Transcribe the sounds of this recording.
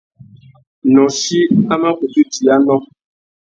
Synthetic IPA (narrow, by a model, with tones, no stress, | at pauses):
nɔ̃˨ʃi˦a˦ma˦ku˨tu˦d͡ʒi˨a˦nɔ̃˦